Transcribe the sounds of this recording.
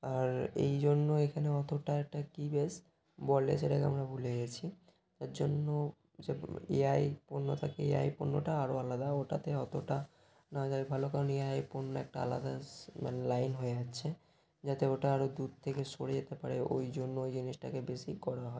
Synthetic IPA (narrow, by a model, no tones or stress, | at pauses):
aɾḛjd͡ʑonːoekʰaneɔt̪ʰoʈaɛk̚ʈakibes | bɔlḛseʈakḛa̰mɾabʱuleɡet͡ɕʰi | t̪aɾd͡ʑonːo | d͡ʑeḛajponːot̪ʰakeḛa̰jponːoʈaaɾoalad̪aoʈat̪eɔt̪ʰoʈa | nad͡ʑaibʱalokaɾoneajponːoɛk̚ʈaa̰la̰d̪ama̰nelajnɦoed͡ʑatːɕʰe | d͡ʑat̪eoʈaaɾod̪ud̪̚t̪ʰekeʃoɽed͡ʑet̪epaɾeo̰jd͡ʑonːoojd͡ʑiniʃʈa̰kebeʃikɔɾaɦɔe